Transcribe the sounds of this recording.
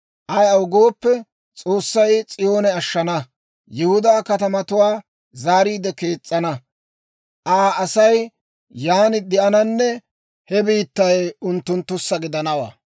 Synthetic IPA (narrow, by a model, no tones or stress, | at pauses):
ʔɐjɐwʊɡo̞ːpːɛ | t͡sʼo̞ːsːɐjt͡sʼɪjo̞ːnɛɐʃːɐnɐ | jɪhʊd̪aːkɐt̪ɐmɐt̪ʊwaː | zaːɾiːd̪ɛke̞ːt͡sʼːɐnɐ | ʔaːɐsɐj | jaːnɪd̪ɛʔɐnɐnːɛ | hɛbiːt̪ːɐjʊnt̪ːʊnt̪ːʊsːɐɡɪd̪ɐnɐwa̰ː